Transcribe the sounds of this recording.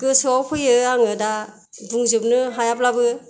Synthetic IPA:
kɯsɯawpʰɯjɯaŋɯda | duŋzɯp̚nɯɦajaplabɯ

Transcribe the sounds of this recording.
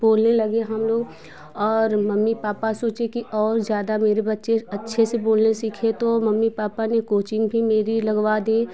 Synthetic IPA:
boːlnelɐɡeɦɐmloːɡ | ɔːɾmɐmːipaːpasoːt͡ʃekiʔɔːɾzjaːd̪ameːɾebɐtːʃeɐtːʃʰeseboːlnesiːkʰet̪omɐmːipaːpanekoːt͡ʃɪ̃ŋɡbʱimeːɾilɐɡʋad̪iː

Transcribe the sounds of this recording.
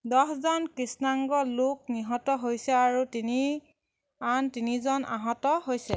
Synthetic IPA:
dɔszɔnkɹisnaŋɡɔlok̚niɦɔtɔɦojsɛaɹutini | antinizɔna̰ɦɔtɔɦojsɛ

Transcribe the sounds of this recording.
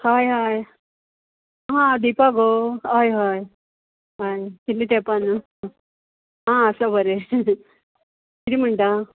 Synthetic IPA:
hajɦaj | ɦãd̪ipaɡoɦajɦaj | ɦajkilːit̪epan | ɦãəsabʱəɾe | kid̪im̤əɳʈ̪a

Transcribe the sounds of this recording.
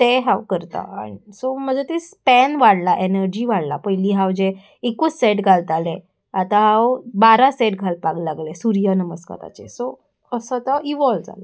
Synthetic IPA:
t̪eɦawkəɾt̪a̰a̰nisom̤əd͡zet̪espɛnʋaɽlaʔenəɾd͡ʑiːʋaɽla̰pəjliːɦawd͡ʑe | ekuseʈɡʱalt̪ale | at̪aɦawbaɾaseʈɡʱalpaɡlaɡlesuɾjənəməska̰t̪a̰t͡ɕeso | əsət̪əʔiʋɔld͡za̰la

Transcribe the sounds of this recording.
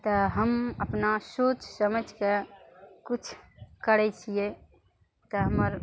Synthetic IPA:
t̪əɦəməpnasoːt͡ʃsəməd͡ʒʱkekʊt͡ʃʰkəɾɛt͡ʃʰije | t̪ɔɦəməɾ

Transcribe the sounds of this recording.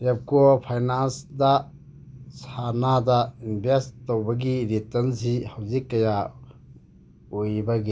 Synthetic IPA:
ɛp̚kɔpʰajnansda | sʰanadainbʱestɔwbɐɡiɾitɐnsihɐwzikːɐja | ojbɐɡi

